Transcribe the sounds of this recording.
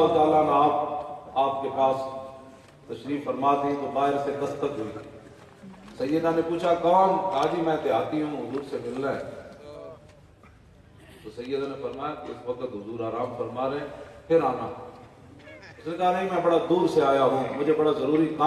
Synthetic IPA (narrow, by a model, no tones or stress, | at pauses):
ɦt̪aːlaːnaːp̚aːp̚keːpaːs | t̪əʃɾiːffəɾmaːt̪ĩːt̪oxaːɦɪɾseːk̪əst̪əkɦʊiːa | səjjəd̪ãːneːpuːt͡ʃʰaːkaːnaːd͡ʒiːmɛ̃ːt̪ɪaːt̪iːɦũːɦʊzuːɾsemɪlːãː | soːsə̃jəd̪aːneːfəɾmaːjaːkɪsʋəkət̪ɦʊzuːɾaːɾaːmfəɾmaːɾeɛ̃ːpʰɪɾaːnaː | ʊsnẽːkaːneimɛ̃ːbəɽaːd̪uːɾseaːjaːɦũːmʊd͡ʒeːbəɽaːzəɾuːɾiːna